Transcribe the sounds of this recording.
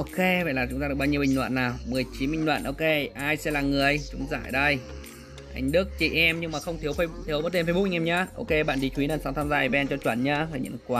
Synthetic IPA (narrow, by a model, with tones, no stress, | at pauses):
ʔo˧ke˧və̰˧˨jlaː˨˩t͡ɕʊ˨˦ŋ͡mt̪aː˧ɨ˨˩ɓaː˧ɲi˧ə˧ɓi˨˩ŋ̟lwa̰ː˧˨nːaː˨˩wmɨ˨˩əjt͡ɕi˨˦nɓï˧˨ŋlwa̰ː˧˨nʔo˧ke˧ʔaː˧jsɛ̰˧˥laː˨˩ŋɨ˨˩əəjt͡ɕʊ˨˦ŋ͡mza̰ː˧˨jɗə˧j | ʔa˧jŋ̟ɗɨ˦˥ək̚t͡ɕi˧˩ʔɛ˧mɲɨ˧ŋmaː˨˩xə˧wŋ͡mt̪ʰi˨˦əwfə˧jk̚t̪ʰi˨˦wməː˨˦t̪e˧mfjɓ̚ʔŋɛ˧mɲaː˧˥ʔo˧ke˧ɓa̰˧˨nɗi˨˦t͡ɕwi˨˦naː˨˩saː˨˦wt̪ʰaː˧mzaː˧˨˧ɓɛ˧ɛ˧nt͡ɕɔ˧t͡ɕwə˧˩nɲaː˧˥faː˨˩jɲə̰˧˨kwaː˧